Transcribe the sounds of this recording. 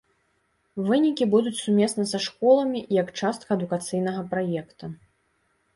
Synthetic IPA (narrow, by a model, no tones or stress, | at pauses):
vɨnʲikʲibud̪ut͡sʲsumʲɛsnɐsɐʂkɔlˠɐmʲiʔjɐkt͡ʂast̪̚kɐɐd̪ukat̪sɨjnɐɣɐpɾajɛkt̪u